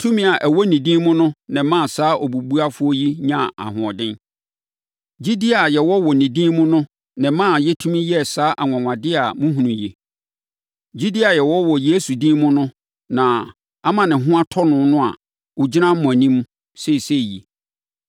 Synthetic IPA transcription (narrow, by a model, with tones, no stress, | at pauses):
tʰũ˦mĩ˦˨a˨ʔæ˨wɔ˦nĩ˨dĩ˦mʊ̃˦nʊ̃˦nɪ̃˨mã˦˨saː˨˦ʔɔ˨bu˨bu˦a˦fʊ˦ɔ˦ji˦ɲã˦˨a̰˨ɦʊ̃˨ɔ˨dɪ̃˦n | d͡ʑi˦di˦a˨jɛ˨wɔ˦wɔ˨nĩ˨dĩ˦mʊ̃˦nʊ̃˦ | nɪ̃˨˦mã˦˨jɛ˦tʰũ˦mĩ˦jɛ˦˨saː˦ʔa˨ŋʷã˨ŋʷã˨dɪ˦a˨mʊ̃˦ɦũ˨nũ˨jɛ˨ | d͡ʑi˦da˨jɛ˨wɔ˦wɔ˨je˨˦su˨dĩ˦mʊ̃˦nʊ̃˦ | nã˨ | a˦mã˨nɪ̃˨ɦʊ̃˦a˦tʰɔ˦nʊ̃˨nʊ̃˦a̰˨ | wʊ˨d͡ʑi˦nã˦m̩˦mʊ̃˨æ˨nĩ˦m˦ | sɛ˦i˨sɛ˦˨jḭ˨